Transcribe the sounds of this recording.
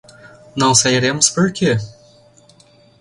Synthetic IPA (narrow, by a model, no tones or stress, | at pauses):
nɐ̃w̃sɐjɾemʊspʊɾkʲɪ